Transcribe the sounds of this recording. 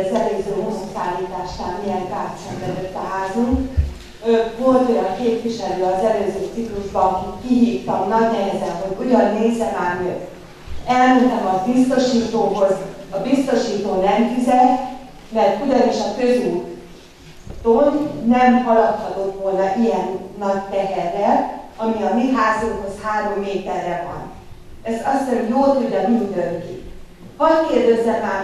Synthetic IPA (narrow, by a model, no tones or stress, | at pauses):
zɛløːzøːɦo̞sːusaːliːt̪aːʃnaːlmijɛnk̪aːsɛmbɛd̪øt̪ːɒɦaːzuŋk | vo̞lt̪o̞jɒŋkeːp̪ʋiʃɛløːɒzɛløːzøːt̪sikluʒbɒɒkitkiɦiːft̪ɒmnɒɟnɛɦɛzɛnɦo̞ɟujɒnːeːzːɛmaːrø | ɛlmɛt̪ɛmɒbist̪oʃiːt̪oːɦo̞zɒbist̪o̞ʃiːt̪oːnɛmfizɛlt̪ | mɛrt̪udɒneːʃɒfø̞zuŋk | t̪onnɛmhɒlɒt̪hɒt̪o̞t̪ʋo̞lnɒʔijɛnːɒct̪ɛɦɛrːɛɒmiɒmiɦaːzuŋkho̞shaːɾo̞mːeːt̪ɛrːɛvɒ̰n | ɛzɒsːɛɾimjoːlt̪udɒɡ̪und̪øŋkḭ | hɒckeːrd̪ɛzːɛmːaː